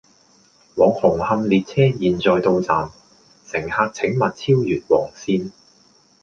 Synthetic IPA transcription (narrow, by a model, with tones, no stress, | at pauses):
wɔː˨˧ŋhʊ˨˩ŋhɐ˧mliː˨t̚t͡sʰɛː˥jiː˨nt͡sɔː˨jt̪o˧wt͡saː˨n | sɪ˨˩ŋhaː˧k̚t͡sʰɪ˨˥ŋmɐ˨t̚t͡sʰiː˥wjyː˨˩t̚wɔː˨˩ŋsiː˧n